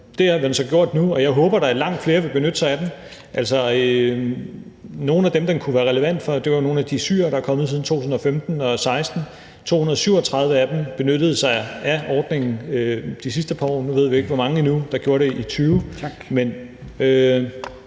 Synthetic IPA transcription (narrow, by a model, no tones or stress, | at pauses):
d̥e̝hɑʋihænsɒ̽ɡ̥jo̝ɐ̰d̥nuɒ̽jɑ̈ɪɦɔ̽ːb̥ɐɾ̥ɑ̈æɐlɑ̈ŋ̰d̥fle̝ːɐʋe̝lb̥e̝nød̥əsɑ̈ɪæd̥emʔæl̰sɒø | no̝ːn̩æd̥emd̥enkʰuʋæːɐʁɛləʋæn̰d̥fɒ̽d̥e̝ʋɑjono̝ːn̩æd̥isy̰ːɐɾ̥ɑ̈æɐkʰɒ̽məð̩ˠsið̩ˠt͡sʰo̝̰ːt͡sʰusn̩ɒ̽femd̥n̩ɒ̽sɑ̈ɪsd̥n̩ | t͡sʰo̝̰ːhunɐðˠsyʊ̰ɒt͡sʰʁɑ̈ðˠʋəæd̥emb̥e̝nøɾ̥əð̞̩ˠsɑ̈ɪæʔɒːd̥ne̝ŋn̩ød̥isisd̥əpʰɑ̈ɒ̰ːnuʋe̝ð̞̰ˠʋie̝ɡ̥ʋɒmɑ̈ŋəinud̥ɑ̈ɡ̥jo̝ːɐɾ̥e̝ʔit͡sʰyːʊmenø